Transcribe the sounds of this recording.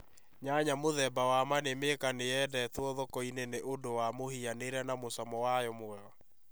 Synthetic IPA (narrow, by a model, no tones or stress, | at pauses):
ɲaɲamoðɛbawamanemekanejɛdɛtwɔðɔkɔineneʔodowamohianeɾɛnamosɔmɔwajɔmoɛɔ